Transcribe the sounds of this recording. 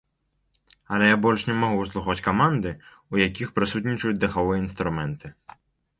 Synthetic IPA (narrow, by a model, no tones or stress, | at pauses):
ɐlʲɛjabɔlʲʂnʲɛmaɣuslˠuxɔt͡sʲkamand̪ɨ | ujakʲixpɾɨsut̪ʲnʲit͡ʂɐjut͡sʲd̪ɐxavɨjɐinst̪ɾumɛnt̪ɨ